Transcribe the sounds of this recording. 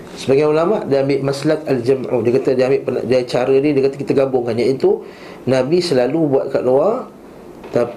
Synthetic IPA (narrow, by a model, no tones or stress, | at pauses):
sə̥baɡajulamaʔdiambɪʔmaslakald͡ʒəmʕṵdikat̪adiambɪʔpəna̰dat͡ʃaɾədidiəkat̪akit̪aɡabʊŋkanjaʔit̪u | nãbisəlalubuat̪̚ka̰ʔluar | t̪a